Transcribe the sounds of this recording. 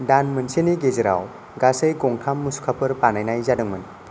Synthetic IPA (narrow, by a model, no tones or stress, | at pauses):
danmɯnseniɡezeɾa̰w | ɡasɯjɡɔŋtʰamːusu̥kʰapʰɯɾpanajnajzadɯŋmɯn